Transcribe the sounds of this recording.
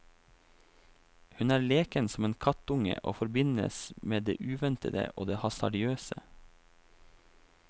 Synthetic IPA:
hʉnæːɾleːkənsɔmeːnkʰɑt̪ʊŋə̰ʔo̰ːfɔɾbɪnə̰smeːd̪ḛːʔʉːʋɛnt̪əd̪ə̰ʔo̰ːd̪eːhɑsɑ̰ɖ̪ɪøːsə

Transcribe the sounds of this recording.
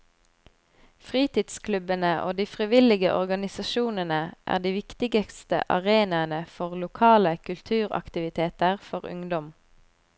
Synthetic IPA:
fʁiːt̪ɪd̪skʰlʉbənəʔo̰ːd̪iːfʁɪʋɪlɪɡəʔɔʁɡɑnɪsɑʃuːnənəʔæ̰ːʁd̪iːʋɪkt̪ɪɡəkst̪ə̰ʔɑ̰ʁeːnɑənəfɔʁlʊkʰɑːləkʰʉlt̪ʰʉːʁɑ̰kt̪ɪʋɪt̪ʰeːt̪əʁfɔʁʊ̰ŋd̪ɔm

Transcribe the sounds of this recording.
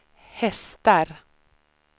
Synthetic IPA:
hɛst̪əɾ

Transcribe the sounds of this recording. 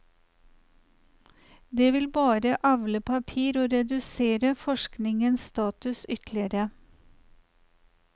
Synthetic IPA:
d̪eːʋɪlbɑːɾəʔɑʋləpʰɑpʰiːɾoːɾɛd̪ʉseːɾəfɔʃknɪŋənsst̪ɑːt̪ʉsʏt̪lɪəɾə

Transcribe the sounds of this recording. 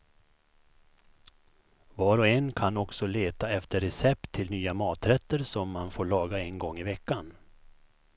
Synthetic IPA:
vɑːɾɔɛnkʰanɔksɔleːt̪aɛft̪əɾɛsɛpt̪ʰːɪlnyːamɑːt̪ɾɛt̪ːəɾsɔmːanfoːɭɑːɡaɛnɡɔŋːɪvɛkːan

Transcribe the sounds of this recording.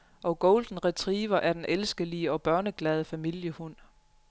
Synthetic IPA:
ʔɒ̽ɡ̥oʊld̥n̩ʁɛt͡sʰʁiːʋɐʔæɐd̥enʔelsɡ̥əliəɒ̽b̥ɶɐnəɡ̥lɛð̞ˠfæmil̰jəhun̰

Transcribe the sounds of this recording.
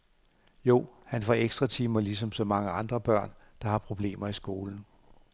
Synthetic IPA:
jo̝̰ːhænfɒ̽eɡ̥sd̥ʁɑ̈t͡sʰiːmɐlis̬ɒ̽msɒ̽mɑ̈ŋəɑ̈nd̥ʁɐb̥ɶɐ̰n | d̥ɑ̈hɑ̈pʰʁo̝b̥le̝̰ːmɐisɡ̥o̝ːln̩

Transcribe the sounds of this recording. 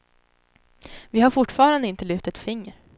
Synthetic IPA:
vɪhaɾfʊʈːfɑːɾand̪əɪnt̪əlʉ̟ːt̪ət̪fɪŋːəɾ

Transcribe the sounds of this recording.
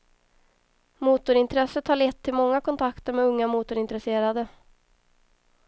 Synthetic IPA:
muːt̪ʊɾɪnt̪ɾɛsət̪haɭɛt̪ʰːɪlmɔŋːakʰɔnt̪ʰakt̪əɾmɛɵŋːamuːt̪ʊɾɪnt̪ɾɛseːɾad̪ə

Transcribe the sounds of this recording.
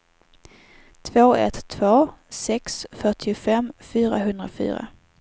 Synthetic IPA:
t̪ʰvoːɛ̰t̪ʰːvoːsɛksfœʈʰɪʊfɛmːfyːɾaɦɵnd̪ɾafy̰ːɾa̰

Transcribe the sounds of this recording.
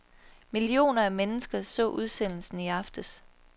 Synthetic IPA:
milio̝̰ːnɐæmenəsɡ̥ɐsɔ̰̽ːʔuð̞ˠsen̰l̩sn̩iɑ̈fd̥əs

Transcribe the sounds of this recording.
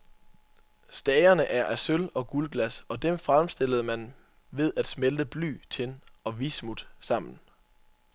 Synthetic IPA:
sd̥ɛːɪɐnəʔæɐʔæsølɒ̽ɡ̥ulɡ̥læsɒ̽d̥emfʁamsd̥e̝l̰əðˠmæn | ʋe̝ðˠæd̥smeld̥əb̥ly̰ːt͡sʰe̝nɒ̽ʋismud̥sɑ̈m̰n̩

